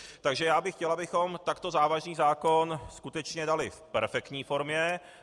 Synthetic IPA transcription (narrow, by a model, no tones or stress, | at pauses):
t̪aɡʒɛjaːbɪxcɛlabɪxo̞mt̪akt̪o̞zaːvaʒniːzaːko̞nskut̪ɛt͡ʃɲɛdalɪfpɛɾfɛkt̪ɲiːfo̞ɾmɲɛ